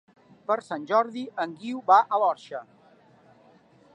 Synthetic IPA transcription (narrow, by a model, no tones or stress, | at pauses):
pəɾsanʲʒɔɾðiəŋɡiwβaʔəlɔɾʃə